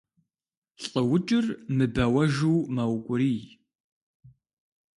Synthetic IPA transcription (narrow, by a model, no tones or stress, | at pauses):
ɬʼəwʊt͡ʃʼɪrmɨbɐwɐʒuwmɐwkʷʼʊɾiːj